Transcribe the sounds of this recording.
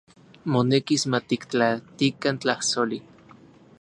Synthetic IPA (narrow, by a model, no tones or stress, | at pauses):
monekismat̪ikt͡ɬat̪ikant͡ɬahsoli